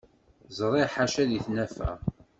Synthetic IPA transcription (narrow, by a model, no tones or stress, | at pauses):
zˤɾˤeħaʃæðiθnæfæ̰